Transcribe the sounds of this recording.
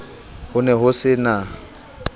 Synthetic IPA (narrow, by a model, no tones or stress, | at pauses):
hʊnɛɦʊsɪna